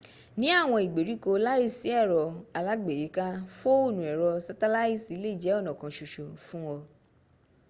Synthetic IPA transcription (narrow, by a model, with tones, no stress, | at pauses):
nĩ˦a˦˨w̃ɔ̃˧i˨ɡ͡be˨ɾi˨˦ko˧la˦i˦˨si˨˦ɛ˦˨ɾɔ˧a˧la˦ɡ͡be˨e˨˦kã˦fo˦o˦˨nũ˨ɛ˨ɾɔ˧sa˧˦ta˦la˦i˦˨si˨˦le˦i˦˨d͡ʒɛ˨˦ɔ˦˨nã˨kã˨ʃo˨ʃo˨fũ˦ɔ˧